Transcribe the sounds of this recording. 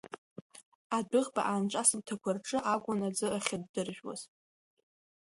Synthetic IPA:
adɨʁba̰ʔanʈ͡ʂʷʼasɨmtʰakʷʰarʈ͡ʂʼɨʔaɡʷʼʊnad͡zɨʔaχʲadːɨrʒᶣwa̰z̥

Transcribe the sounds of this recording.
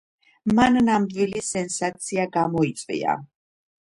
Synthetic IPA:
mannamd̪wilisɛnsat̪sʰiaɡamɔit̪sʼvḭa̰

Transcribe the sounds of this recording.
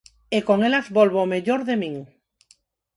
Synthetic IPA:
ekoŋelazβolβomeʎoɾðemĩŋ

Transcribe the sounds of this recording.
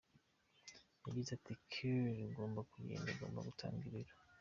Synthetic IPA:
ibitatikʰiɾiɡo̞ːmbakujḛːndaɡo̞̰ːmba̰ɡutʰa̰ːŋɡiɾiɾa

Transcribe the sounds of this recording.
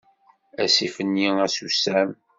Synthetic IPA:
æsifənːiæsusæm

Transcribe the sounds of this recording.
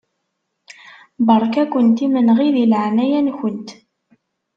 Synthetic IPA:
bəɾˤkækʷənt̪imənʁiðilʕnæjænçənt̪

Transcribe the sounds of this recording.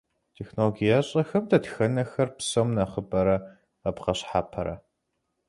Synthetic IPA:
tʰexnoloɡijɐɕʼɐxɐmdɐtxɐnɐxɐrpsowmnɐχəbɐɾɐ | ɐpqɐɕħaːpʰɐɾɐ̰

